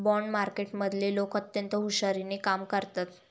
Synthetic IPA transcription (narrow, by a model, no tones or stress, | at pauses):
bɔɳɖmaɾkeʈməd̪ʱlelokət̪jənt̪əɦuɕaɾinekamkəɾt̪at̪